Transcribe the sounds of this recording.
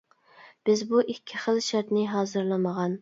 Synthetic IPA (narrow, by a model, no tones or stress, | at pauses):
b̥ɪzbuʔikʲʰːɪχəlˠʃæɾt̪nɪɦɑːzɨɾlˠɨməʁɑn